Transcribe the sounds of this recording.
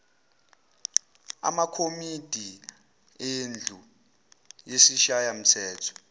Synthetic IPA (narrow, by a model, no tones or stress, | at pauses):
a̰makʰomid̥ʱi | end͡ɮʱu | jesiʃajam̩tʰɛːtʰɔ̥